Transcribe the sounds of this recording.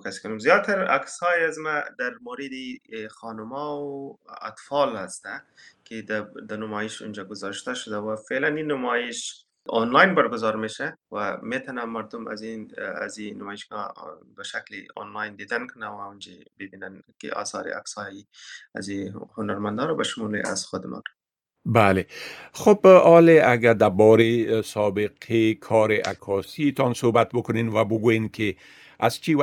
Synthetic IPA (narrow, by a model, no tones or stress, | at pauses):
kaskʊnumzjɑːt̪aɾa̰ksɑːjazmad̪ɐɾmoɾid̪ixɑːnʊmɑwa̰t̪fɑːlhast̪akʰed̪ad̪anʊmɑːjiʃṵnd͡ʒaɡʊzɑɾʃt̪aʃʊd̪awafelaninʊmɑːjiʃ | o̰nlɑːjnbɐɾɡʊzɑɾmeʃawamet̪ʰɐnamɐɾd̪uma̰zia̰zinʊmɑːiʃɡabəʃaklio̰nlɑːjnd̪id̪ankʰʊnawaund͡ʒebibinankḛa̰ːsɑːɾḭa̰ksɑjia̰zihʊnaɾmand̪ɑɾbaʃʊmulḛʔa̰zxʊd̪ɪmɔ̰n | balexobɒleaɡad̪abɔɾesɔbeqʰekʰɔɾeʔa̰kʰɔsit̪ɔnsobat̪̚bʊkʊnenwabʊɡojenkʰe | azt͡ʃiw